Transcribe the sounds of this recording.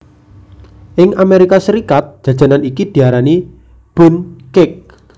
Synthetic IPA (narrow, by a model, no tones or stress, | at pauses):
ʔɪŋameɾikasəɾikat̪̚d̥ʒ̥a̤d̥d͡ʒ̥a̤nanikid̪̥i̤aɾani | b̥ʊnkɪk̚